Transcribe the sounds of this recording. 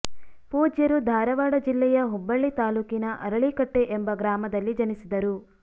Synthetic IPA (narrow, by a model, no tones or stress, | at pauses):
puːd͡ʒjɐɾud̪ʱaːɾɐʋaːɽɐd͡ʒilːɛjɐɦubːɐɭːit̪aːluːkinɐʔɐɾɐɭikɐʈːe̞ʔembɐɡɾaːmɐd̪ɐlːid͡ʒɐnisid̪ɐɾu